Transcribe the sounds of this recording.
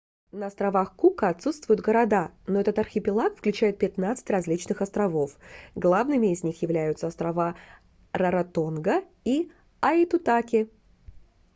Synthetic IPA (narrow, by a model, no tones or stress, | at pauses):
nəɐst̪ɾɐvaxkukəɐt̪sut̪st̪vʊjʊd̪ɡəɾɐd̪anoɛt̪ət̪ɐrxʲɪpʲɪlˠakfklʲʉt͡ɕæjɪt̪̚pʲɪt̪nat̪sɨ̥tʲrɐzʲlʲit͡ɕnɨxɐst̪ɾɐvo̞fɡlˠavnɨmʲɪːzʲnʲixjɪvlʲæjʊt̪səɐst̪ɾɐva | rɐɾɐt̪onɡə | i | ɐɪt̪ʊt̪akʲɪ